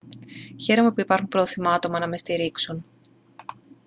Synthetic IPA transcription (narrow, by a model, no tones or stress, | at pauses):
çe̞ɾo̞me̞puipɐɾxumpɾooθimɐɐt̪o̞mɐnɐme̞st̪iɾiksun